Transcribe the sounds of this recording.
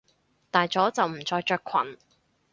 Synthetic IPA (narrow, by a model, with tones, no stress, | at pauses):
t̪aː˨jt͡ʃɔː˨˥t͡sɐ˨wm̩˨˩t͡sɔː˧jt͡ʃœː˧kʷʰɐ̰˨˩n